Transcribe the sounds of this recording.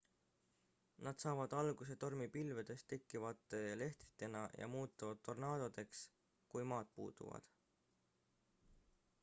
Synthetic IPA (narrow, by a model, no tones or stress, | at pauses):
nɑd̪̥sɑːvɑd̪̥ɑlɡ̥use̞t̪o̞rmipilved̪̥e̞st̪e̞kːivɑt̪ːˑe̞le̞ht̪i̥t̪ːˑe̞nɑjʔɑ̰muːt̪ˑːɑvɑd̪̥t̪ʰːo̞rnɑːd̪̥od̪̥e̞ks | kujmɑːt̪̚pṵːd̪̥ṵvɑ̰d̪̥